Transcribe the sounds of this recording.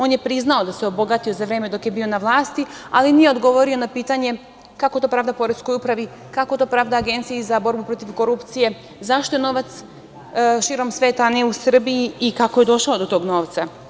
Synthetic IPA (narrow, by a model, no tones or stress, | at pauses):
o̞ːnje̞pɾiznao̞d̪aseobo̞ɡat̪io̞zaʋɾeːme̞d̪o̞kje̞biːo̞naʋlˠaːst̪ialinijeo̞d̪ɡo̞ʋo̞ɾio̞napiːt̪aɲe̞ | kakot̪o̞ːpɾaːʋd̪apo̞ɾekojupɾaʋi | kako̞t̪o̞ːpɾaːʋd̪aːɡe̞nt̪siizabo̞ɾbupɾo̞t̪iʋko̞ɾupt̪sije̞ | zaʃt̪o̞je̞no̞ʋat̪s | ʃiːɾo̞msʋe̞ːt̪aneusr̩biiːkakoje̞d̪o̞ʃao̞d̪o̞t̪o̞ːɡno̞ːʋt̪sa